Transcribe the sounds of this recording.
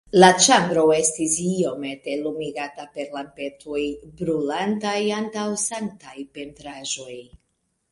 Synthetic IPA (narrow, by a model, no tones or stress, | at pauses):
lat͡ʃambɾo̞e̞stisio̞me̞te̞lumiɡatape̞ɾlampe̞tʰojbɾulantajantawsaŋk̚tajpe̞ntɾaʒo̞j